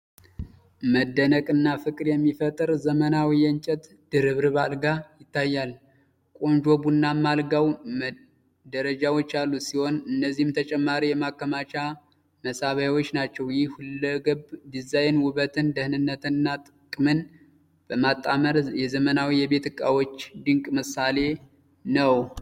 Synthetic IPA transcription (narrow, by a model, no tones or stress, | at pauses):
məd̪ːənəkʼɨnːafɨkʼɨɾjɛmːifət̪ʼɨɾzəmənawijənt͡ʃʼɛt̪ | d̪̥ɨɾɨβɾɨβalɡajɪt̪ʰːajːal | kʼo̞nd͡ʒo̞bunːamːalɡaw | d̪əɾəd͡ʒawo̞t͡ʃːalːusiho̞nɨnːəzːihɨmt̪ʰət͡ʃʼɛmːaɾijɛmakːəmat͡ʃʼa | məsaβajwo̞t͡ʃːnat͡ʃːɛwjɪhhulːəɡɨbd̪izajnwʊβət̪ʰɨnd̪əhnɨnːət̪ʰɨnːat̪ʼɨkʼmɨn | b̥əmat̪ʼːaməɾjɛzəmənawijɛβe̞t̪ɨkʼːawot͡ʃːd̪ɨŋkʼmɨsale̞ | nəw